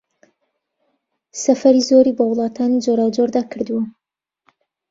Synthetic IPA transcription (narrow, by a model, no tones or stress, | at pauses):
sɐfɐɾizoːɾiːbɐwlˠɑːt̪ʰaːnd͡ʒoɾaːwd͡ʒoɾd̪aːkʰɨɾd̪ɨwɐ